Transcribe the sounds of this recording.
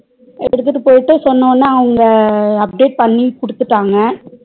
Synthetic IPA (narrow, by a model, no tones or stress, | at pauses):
ɛɽɯt̪ːɯʈːɯpoːjɪʈːɯsɔnːɐːnːaːɐŋɡɐɐp̚ɖeːʈ̚pɐɳːikʊɽɯt̪ːɯʈːaːŋɡɐ